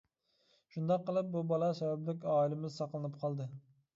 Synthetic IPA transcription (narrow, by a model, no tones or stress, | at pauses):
ʃund̪ɑqːəlˠɨp̚bubɑlˠɑsɛvɛblɪkʲɑːilɪmɪzsɑqlˠɨnɨpqʰɑlˠd̪ɨ